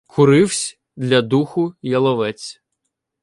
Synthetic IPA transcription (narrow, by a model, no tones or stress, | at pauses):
kʰʊɾɪwsʲ | d̪lʲɐd̪uxʊjɐlˠɔʋɛt͡sʲ